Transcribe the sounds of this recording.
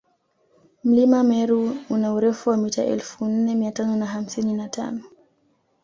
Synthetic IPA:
m̩limamɛɾuunauɾɛfuwamitaʔɛ̰lfun̩nɛmiatanɔnaɦam̩sininata̰nɔ

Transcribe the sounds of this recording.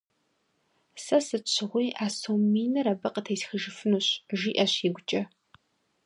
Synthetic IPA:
sɐsɨt͡ʃʷʰɨʁʷiːʔaːsomiːnɐɾɐbɐqʼətʰɐjsxəʒɨfɨnuːɕʒiːʔɐɕiɡʷʊt͡ʃʼɐ

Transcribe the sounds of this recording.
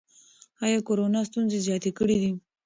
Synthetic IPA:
ɑjɑkoɾonɑst̪unzezjɑt̪ekəɽid̪i

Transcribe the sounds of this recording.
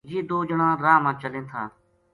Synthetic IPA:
jiːd̪oːd͡ʒəɳãːɾaːmãːt͡ʃəlẽːt̪ʰa̰ː

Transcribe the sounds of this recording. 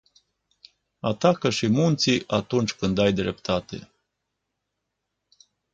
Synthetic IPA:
at̪akəʃimunt̪siʔat̪unt͡ʃʲkɨnd̪ajd̪ɾe̞pt̪at̪e̞̰

